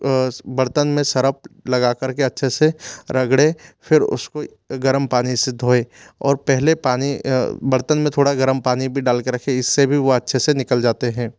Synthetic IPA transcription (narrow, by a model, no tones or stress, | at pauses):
bɐɽt̪ənmẽsɐɾəp̚lɐɡakɐɾkeɐtːʃʰeseɾɐɡɽefʰɪɾʊ̰sko | ɡɐɾəmpaːnised̪ʱoːeɔ̰ːɾpɛɦlepaːnibɐɽt̪ənmẽt̪ʰoːɽaɡɐɾəmpaːnibʱiɖaːlkeɾɐkʰeɪsːebʱiʋoɐtːʃʰesenɪkəld͡ʒaːt̪eɦɛ̃ː